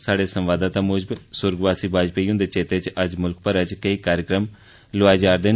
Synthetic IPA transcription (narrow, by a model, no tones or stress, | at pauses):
saːɽeːsəmʋaːd̪ãːt̪ãːmoːd͡ʒbsʊɾɡʋaːsiːbaːd͡ʒpeːiːʊ̃nd̪eːt͡ʃeːt̪eːt͡ʃəd͡ʒmʊlk̚pəɾəd͡ʒkəiːkaːɾjɪkɾəm | loaːd͡ʒaːɾd̪eː